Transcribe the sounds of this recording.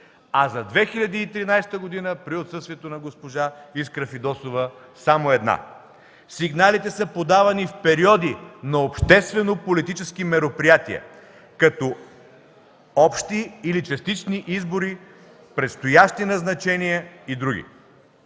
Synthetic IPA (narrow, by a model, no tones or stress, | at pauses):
ɐzɐd̪vɛxilʲɐd̪iːt̪ɾinajst̪əɡod̪inəpɾiot̪sɤst̪viɛt̪onɐɡospoʒaiskɾɐfid̪ɔsovə | samoɛd̪na̰ | siɡnalit̪ɛsəpod̪avɐnifpɛɾiɔd̪inɐopʃt̪ɛst̪vɛnopolit̪it͡ʃɛskimɛɾopɾijat̪iɛ̰ | kɐt̪ɔ | ɔpʃt̪iːlit͡ʃɐst̪it͡ʃniʔizboɾi | pɾɛt̪st̪ojaʃt̪inɐznɐt͡ʃɛniɛid̪ɾuɡ̟ʲḭ